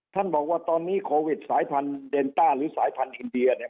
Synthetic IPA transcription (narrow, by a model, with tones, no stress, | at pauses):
t̪ʰa˥˩nbɔː˨˩k̚waː˥˩t̪ɔː˧nːiː˦˥˩kʰoː˧wi˨˩t̪̚saː˩˦jpʰa˧nde˧nt̪aː˥˩ɾɯː˩˦saː˩˦jpʰa˧nʔi˧ndi˧ɐni˥˩ɐ